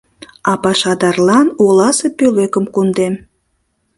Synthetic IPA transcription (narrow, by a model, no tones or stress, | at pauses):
ɑpɑʃɑd̪ɑrlɑnolɑsepølekəmkund̪em